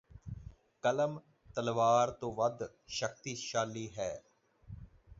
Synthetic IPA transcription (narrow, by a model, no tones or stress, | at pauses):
kələm | t̪əlʋaːɾt̪õːʋəd̪ | ʃəkt̪iːʃaːlːiːɦɛː